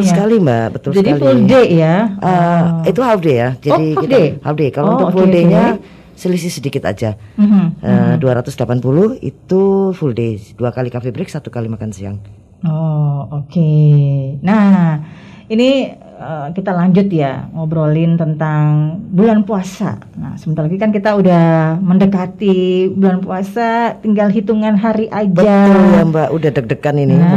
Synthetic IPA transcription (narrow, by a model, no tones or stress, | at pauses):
lsəkalimbabət̪ʊld͡ʒadialifuldejaʔəit̪uhafdejad͡ʒadikadehadekalount̪ʊk̚fuldeɲa | səlis̬ɪsədikɪt̪a̰d͡ʒam̩ʔəduaɾat̪ʊsdəlapanpulʊhḭt̪ufulded̥uakalikafibɾɪksat̪u̥kalimakansia̰ŋ | ooke | na | ini | əkit̪alaɲd͡ʒʊt̪jaɔbɾolɪnt̪ənt̪aŋbulanpuasa̰na̰səmənt̪alaɡikankit̪audahməndəkat̪ibulanpuasat̪iŋɡalɦit̪uŋanɦaɾiʔad͡ʒbəaʊljaŋbaʔudahdək̚dəkanini